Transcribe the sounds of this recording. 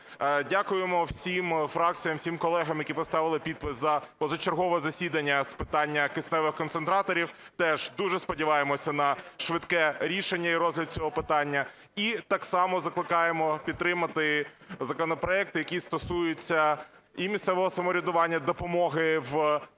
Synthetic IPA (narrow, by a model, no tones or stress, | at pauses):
dʲakʊjemɔwsʲimfɾɑk̚t͡sʲijɐmwsʲimkɔlˠɛɦɐmjɐkʲipɔst̪ɑʋɪlˠɪpʲid̪̚pɪszɐpɔzɔt͡ʃerɦɔʋɔzɐsʲid̪ɐnʲːɐspɪt̪ɑnʲːɐkɪsnɛʋɪxkɔnt̪sent̪ɾɑt̪ɔɾʲiwt̪ɛʒd̪uʒɛspɔdʲiʋɑjemɔsʲɐnɐʃʋɪt̪kɛɾʲiʃenʲːɐiɾɔzʲɦlʲɐd̪̚t͡sʲɔɦɔpɪt̪ɑnʲːɐ | it̪ɑksɑmɔzɐklˠɪkɑjemɔpʲid̪t̪ːɾɪmɐt̪ɪ | zɐkɔnɔpɾɔɛk̚t̪ɪjɐkʲist̪ɔsujʊt͡sʲːɐ | imʲissɛʋɔɦɔsɐmɔɾʲʊd̪ʊʋɑnʲːɐd̪ɔpɔmɔɦɪw